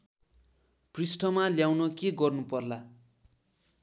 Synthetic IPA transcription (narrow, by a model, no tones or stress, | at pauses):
prisʈʌmaljawnʌkeɡʌrnupʌrla